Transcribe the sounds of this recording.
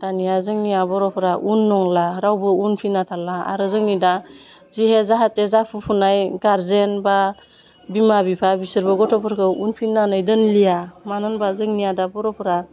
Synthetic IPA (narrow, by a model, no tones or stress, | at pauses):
tanijazɯŋnijabɔɾɔpʰɾaʔunːɔŋlaɾawbɯunpʰinatʰalaa̰ɾɯzɯŋnida | ziɦezaɦatːezapʰupʰunajɡaɾzenba | bimabipʰabisɯɾbɯɡɔtʰɔpʰɯɾkʰɯunpʰinanɯjdɯnlijamanɯnbazɯŋnijadabɔɾɔpʰɾa